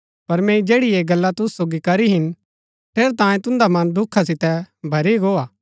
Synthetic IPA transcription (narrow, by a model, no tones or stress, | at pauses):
pɐɾmɛ̃ːid͡ʒeːɽieɡɐlːat̪ʊssoːɡikɐɾiɦɪn | t̪ʰeːɾt̪ãːẽt̪ʊ̃nd̪amɐ̃nd̪ʊkʰːasɪt̪ɛbʱɐɾiɡoːaː